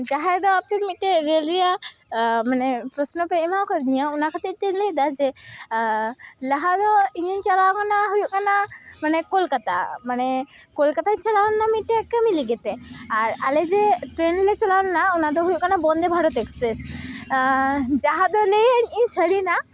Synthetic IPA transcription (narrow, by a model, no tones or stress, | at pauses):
d͡ʒaɦajd̪ɔap̚nemiʈeɾelɾija | manɛpɾɔsnɔpeimakʰanijəunakʰat̪iɾʈenled̪ad͡ʒɛ | laɦad̪ɔiɲiɲt͡ʃalakanaɦujuʔkanamanɛkolkat̪a̰manɛkolkat̪aɲt͡ʃalawɔnːamiʈekəmiliɡɛt̪ɛaɾa̰led͡ʒeʈɾenlet͡ʃalawnnaunad̪ɔɦujuʔkanabɔnd̪ebʱaɽɔt̪ekspɾes | d͡ʒaɦad̪ɔleəɲiɲsʰəɽina